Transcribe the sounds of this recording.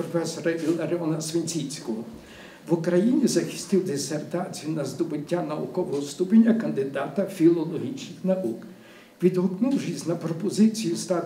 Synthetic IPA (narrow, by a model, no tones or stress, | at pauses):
ɾɔfɛsɔɾɐilˠɐɾɔnɐsʋenʲt͡sʲit͡sʲkɔɦɔ | ʋʊkɾɐjinʲizɐxɪ̥st̪ɪwd̪esert̪ɑt͡sʲijʊnɐzd̪ɔbɪtʲːanɐukɔʋɔɦɔst̪upɪnʲːɐkɐnd̪ɪd̪ɑt̪ɐfʲilˠɔlˠɔɦʲit͡ʃnɪxnɐʔuk | ʋʲid̪ɦɔknuwʒizʲnɐpɾɔpɔzɪt͡sʲijʊst̪ɑ